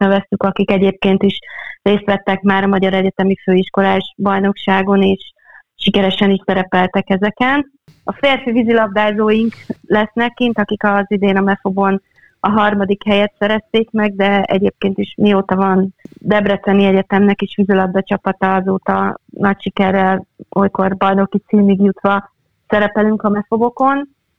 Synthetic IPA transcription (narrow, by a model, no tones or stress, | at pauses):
nɛvɛst̪ykɒkikɛɟeːp̚keːnt̪iʃreːst̪ʋɛt̪ːɛkmaːɾɒmɒɟɒɾɛɟɛt̪ɛmiføːiʃko̞laːʒbɒjno̞kʃaːɡo̞neːʃ | ʃikɛɾɛʃɛniʃsɛɾɛpɛlt̪ɛkɛzɛkɛn | ɒfeːrfivizilɒbd̪aːzoːjiŋklɛsnɛkːint̪ɒkikɒzid̪eːnɒmɛfobon | ɒɦɒrmɒd̪ikhɛjɛt̪sɛɾɛst̪eːkmɛɡ̚d̪ɛɛ̰ɟeːp̚keːnt̪iʃmioːt̪ɒvɒnd̪ɛbrɛt̪sɛniɛɟɛt̪ɛmnɛkeːʃʋizilɒb̚d̪ɒt͡ʃɒpɒt̪ɒɒzoːt̪ɒnɒcʃikɛrːɛlojko̞rbɒjno̞kit̪siːmiɡjut̪ʋɒ | sɛɾɛpɛlyŋkɒmɛfobo̞ko̞n